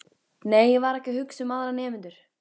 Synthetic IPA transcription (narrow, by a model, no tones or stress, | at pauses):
neːjɪvaɾɛhcɪɦʏksʏmaðɾanɛːmɪnt̪ʏɾ̥